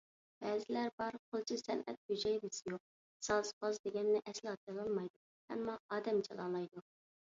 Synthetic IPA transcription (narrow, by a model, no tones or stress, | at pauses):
b̥ɛːzɪlæɾbɑɾqʰolˠt͡ʃʰisɛnɛ̰t̪̚hyd͡ʒɛjd̪ɨsɪjoq̚ | sɑsqɑzd̪eɡʲɛnːɪʔɛslˠɑɑt͡ʃɑlˠɑlˠmɑjd̪u | hɛ̰mːɑɑːd̪ɛmt͡ʃʰɑ̰lˠɑːlˠɑjd̪u